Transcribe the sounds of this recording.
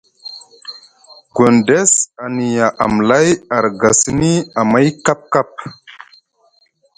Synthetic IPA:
ɡo˨nde˦sa˨ni˨ja˨ʔa̰˨mla˦ja˨ɾɡa˨si˦ni˦a˨ma˦jka˦p̚ka˦p̚

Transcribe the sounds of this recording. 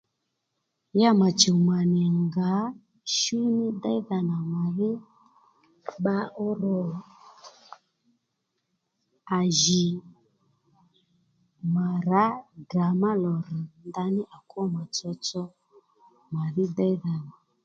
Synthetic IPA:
ja˦ma˨t͡ʃɔ˨ma˨nɛ˨ŋɡa˨˦ | ʃu˦nɪ˦da˦i˦ða˧na˨ma˨ðɪ˦ | ɓa˧ʔɔ˦ɾɔ˦˨ | a˨ʒi˨ | ma˨ɾa˨˦ɡa˨ma˦lɔ˨ɾə˨nda˧˦nɪ˦ʔa˨kwɔ˦ma˨t͡sɔ˧t͡ʃɔ˦ | ma˨ðɪ˦da˦i˦ða˨na˨

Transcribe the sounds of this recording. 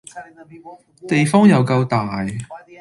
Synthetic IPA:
t̪e˨jfɔː˥ŋjɐ˨˧wkɐ˧wt̪aː˨j

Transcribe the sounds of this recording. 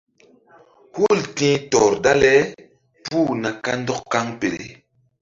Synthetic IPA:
hu˦˨ltĩː˦tɔ˨ɾda˦lɛ˦ | puː˦˨na˨ka˦ndɔ˦kːka˦ŋpe˨ɾḛ˨

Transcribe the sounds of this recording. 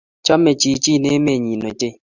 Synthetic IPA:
t͡ʃɔ˦me˨t͡ʃi˨˦t͡ʃi˦˨ne˦me˦˨ɲi˨no˨te˦˨

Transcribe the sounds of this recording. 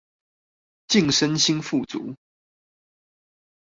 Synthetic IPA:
t͡ɕi˥˨ŋʂə˦nɕi˥nfu˥˨t͡sṵ˨˦

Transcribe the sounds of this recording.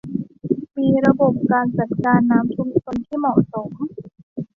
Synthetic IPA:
miː˧ɾa˧bo˨˩p̚kaː˧nt͡ɕa˨˩t̪̚kaː˧nːaː˦˥mt̪ʰu˧˥mt͡ɕʰo˧nt̪ʰiː˥˩mɔː˨˩so˩˦m

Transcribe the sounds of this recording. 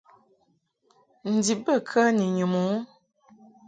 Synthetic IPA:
n̩˨di˨bə˦˨kʰə˦ni˨ɲu˨mo˨˦

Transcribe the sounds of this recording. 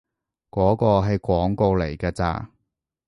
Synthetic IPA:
kɔː˨˥kɔː˧ɦɐ˨jkʷɔː˨˥ŋko˧wle˨˩jkaː˧t͡sa̰ː˧

